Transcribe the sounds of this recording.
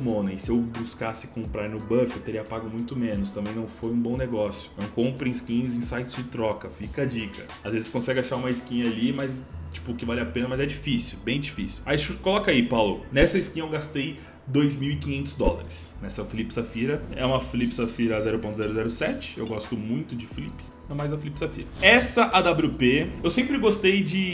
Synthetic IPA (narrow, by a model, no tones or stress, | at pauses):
mõnɐɪsɪewbuskasɪkõmpɾaɾnʊbɐfewt̪eɾiɐpaɡʊmũj̃t̪ʊmẽnʊst̪ɐ̃mbẽj̃nɐ̃w̃fojũbõw̃neɡɔsjʊ̥nɐ̃w̃kõpɾɪĩɪskĩɲɐzĩsajt͡ʃɪzd͡ʒɪt̪ɾɔkɐfikɐd͡ʒikɐ | azvezɪskõsɛɡɪaʃaũmɐɪskĩɲɐalimɐjzt͡ʃi̥pʊkɪvalɪapẽnɐmɐzɛd͡ʒifisiʊwbẽj̃d͡ʒifisiwajʃkolɔkaipawlʊnɛsɐɪskĩɲɐewɡast̪ej | d̪ojzmiwikĩɲẽnt̪ʊzd̪ɔlɐ̰ɾɪsnɛsɐfilipɪ̥safiɾɐɛ̰ũmɐfilipɪ̥safiɾɐazɛɾʊpõnt̪ʊzɛɾʊzɛɾʊsɛt͡ʃɪ̥ḛwɡɔst̪ʊmũj̃t̪ʊd͡ʒɪfilipɪ̥snɐ̃majzd̪ɐfilipɪ̥safḭɾɐɛsɐʔad̪ablupeewsẽmpɾɪɡost̪ejd͡ʒɪ